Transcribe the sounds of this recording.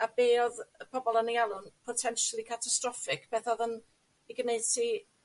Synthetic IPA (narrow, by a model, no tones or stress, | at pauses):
abeːɔðəpʰɔbɔlˠənialˠʊnpʰɔtʰɛnʃalˠikʰatʰastrɔfɪkb̥ɛθɔðən | iɡneɨtʰi